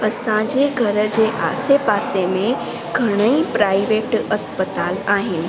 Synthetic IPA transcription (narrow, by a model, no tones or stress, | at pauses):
ɐsãd͡ʒeɡʱɐɾd͡ʑeʔa̰ːsepaːsemẽ | ɡʱɐɽ̃əipɾaːɪʋeːʈɐspət̪aːlaːɦɪnɪ̆